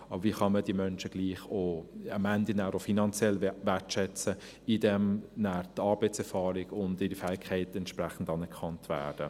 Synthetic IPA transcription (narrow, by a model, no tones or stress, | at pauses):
ɑbəɾviːχɑmədiəmœnʃəɡ̥liːχoɑmændənæːɾofinɑnt͡sjɛlʋɛtʃɛt͡sə | idɛmnæːɾtɑːɾbɛɪt͡sɛɾfɑːɾɪɡʊndɪdəfɛːɪkʰːɛɪtɛntʃpræχn̩dɑnɛkʰɑntvæ̰ːd̥ə